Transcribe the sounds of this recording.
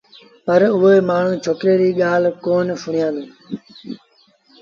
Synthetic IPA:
pəɾʊɦoeːmaːɳ̤ũːt͡ʃʰoːkɾeːɾiːɠaːlkoːnsʊɳ̤̃ɪjãːnd̪ũː

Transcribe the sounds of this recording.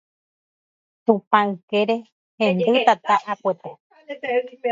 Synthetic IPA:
t̪ũpãɨkeɾe | hẽnd̪ɨt̪at̪aʔapʷet̪e

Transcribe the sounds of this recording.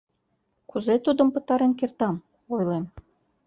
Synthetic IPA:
kuzet̪ud̪ə̆mpə̆t̪ɑɾenkert̪ɑm | ojlem

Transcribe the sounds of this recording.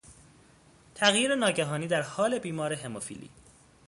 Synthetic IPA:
t̪ʰæɣjiːɾenɒːɟæɦɒːniːd̪æɾhɒːle̞biːmɒːɾeɦe̞mofḭːlḭː

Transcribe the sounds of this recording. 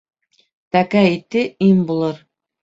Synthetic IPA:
t̪ækæit̪ɘimbulˠɤɾ

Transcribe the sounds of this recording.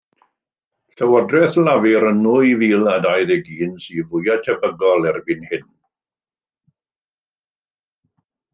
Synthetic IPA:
ɬəwɔdrɛθlavɪɾənːʊiviːlˠadajðɛɡiːnsiːvʊjatʰɛbəɡɔlˠɛrbɪnhɪn

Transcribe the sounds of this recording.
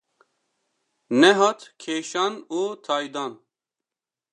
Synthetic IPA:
neɦɐt̪kʰeːʃanoːt̪ʰaːjd̪aːn

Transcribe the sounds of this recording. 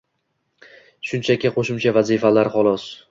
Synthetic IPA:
ʃʊnt͡ʃʰakʲɪqʰoʃɪmt͡ʃʰavazifalaɾχɒlˠɒs

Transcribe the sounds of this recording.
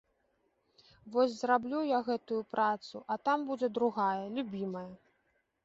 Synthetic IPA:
vɔsʲzrablʲujaɣɛt̪ujupɾat̪suʔɐt̪ambud͡zʲɛd̪ɾuɣajɐlʲubʲimɐjɐ

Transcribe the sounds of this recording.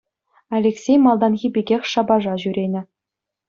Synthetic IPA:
ɑlʲeksʲejmɑlˠd̪ɑnɣʲibʲeɡʲexʲʂɑbɑʐɑʑyɾʲenʲɘ̆

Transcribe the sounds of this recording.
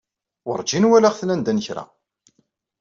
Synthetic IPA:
ʊ̰ɾˤd͡ʒinwælæʁθnænd̪ænçɾa̰

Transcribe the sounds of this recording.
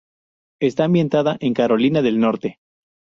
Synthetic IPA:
e̞st̪aːmbje̞nt̪aðaʔe̞ŋkaɾo̞linaðe̞lno̞ɾt̪e̞

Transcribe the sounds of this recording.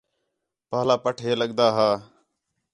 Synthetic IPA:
paːlaːpəʈʰeːləɠd̪aːɦaː

